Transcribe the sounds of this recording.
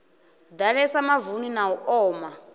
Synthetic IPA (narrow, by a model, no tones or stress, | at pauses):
d̪aɺɛsamavuninaɔʔɔːma